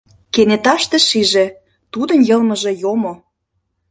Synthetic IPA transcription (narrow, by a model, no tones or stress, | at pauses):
kenet̪ɑʃt̪ĕʃiʒĕ | t̪ud̪ə̆njɤ̆lmə̆ʒĕjomo